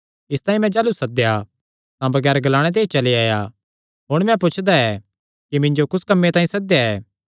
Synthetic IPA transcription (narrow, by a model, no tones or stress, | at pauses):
ɪst̪ãːĩmɛ̃d͡ʒaːlusɐd̪eja | t̪ãbɐɡɛːɾɡɐlaːɽ̃et̪̬eːt͡ʃɐliaːja | ɦoːɽ̃mɛ̃p̬ʊt͡ʃʰd̪aɛ | kimɪ̃ɲd͡ʒokʊskɐmːet̪ãːĩsɐd̪jaɛː